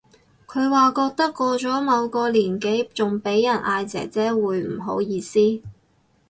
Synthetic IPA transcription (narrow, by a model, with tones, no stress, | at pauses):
kʰɵ˨˧ɥwaː˨˩kɔː˧k̚t̪ɐ˥kːɔː˧t͡ʃɔː˨˥mɐ˨˧wkɔː˧liː˨˩nke˨˥jt͡sʊ˨ŋpe˨˥jːɐ˨˩nʔaː˧jt͡sɛ̰ː˨˩t͡sɛː˥wuː˨˧jm̩˨˩ɦo˨˥wjiː˧siː˥